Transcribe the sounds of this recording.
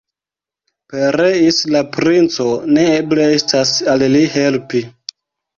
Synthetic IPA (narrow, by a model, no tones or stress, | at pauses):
pe̞ɾeislapɾint͡so̞ne̞ebleestasallihe̞lpi